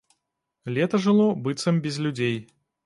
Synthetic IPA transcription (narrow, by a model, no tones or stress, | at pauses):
lʲet̪əʐɨlˠɔbɨt̪sɨmbʲɪzlʲʊdʲej